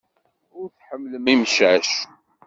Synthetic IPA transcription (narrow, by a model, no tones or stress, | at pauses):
ʊɾθħəmːləmimʃæʃ